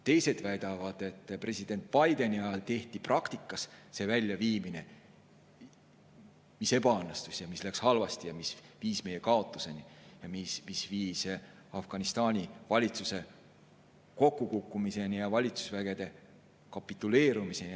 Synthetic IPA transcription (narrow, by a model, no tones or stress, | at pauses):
t̪e̞jse̞d̪̥væjd̪̥ɑvɑd̪̥e̞t̪ːˑpre̞sid̪̥e̞nt̪̚pɑjd̪̥e̞niɑjɑlt̪e̞ht̪iprɑkt̪ikːˑɑsse̞ːvælʲːjɑviːmine̞ | mise̞bɑɑnːst̪usjɑmislækshɑlvɑst̪ijɑmisviːsmejekɑo̞t̪ːˑuse̞nijɑmismisviːs | ɑfɡ̥ɑnist̪ɑːnʲivɑlʲit̪suse̞ | ko̞kːukukˑːumise̞nijɑvɑlʲit̪su̥svæɡ̥e̞d̪̥e̞ | kɑpːˑit̪ːˑule̞ːɾumise̞n